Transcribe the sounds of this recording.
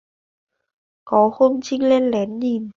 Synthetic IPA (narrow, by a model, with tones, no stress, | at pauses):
kɔ˨˦ho˧mt͡ɕi˧ŋle˧nlɛ˨˦nɲi˨˩n